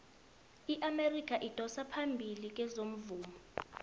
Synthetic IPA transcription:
iʔamerik̬ʰʼaʔitʼɔsapʰambʱilik̬ɛzom̩vuːmɔ

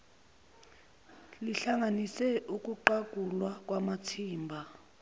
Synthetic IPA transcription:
liɬaŋanisɛʔukʼuǃak̬ʼulwak̬ʼwamatʰiːmbʱa

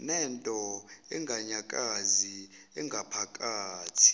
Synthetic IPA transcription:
nɛntʼɔɛŋɡʱaɲakʼazi | ɛŋɡʱapʰakʼaːtʰi̥

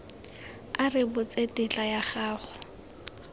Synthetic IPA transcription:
arɪbʊt͡sʼetɪt͡ɬʼajaχaːχʊ

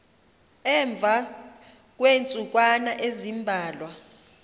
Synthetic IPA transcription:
ɛɱb̪vʱa | k̬ʼwent͡sʼuk̬ʼwanaʔezimbʱaːlwa

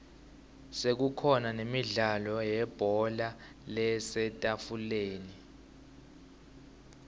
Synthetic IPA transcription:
sek̬ukʰɔnanemiɮalɔjɛb̥ʱɔla | lɛsɛtʼafuleːni

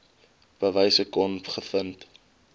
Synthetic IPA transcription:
b̥əvəjsəkɔnpχəfənt

